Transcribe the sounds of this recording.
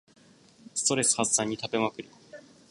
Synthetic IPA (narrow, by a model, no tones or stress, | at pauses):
sɨ̥t̪o̞ɾe̞sɨ̥hassãɲ̟ːit̪abe̞makɯ̟ɾɯ̟